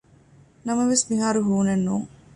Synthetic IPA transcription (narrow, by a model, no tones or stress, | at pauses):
nɐmɐʋesmiɦaːɾuɦuːnenːuːŋ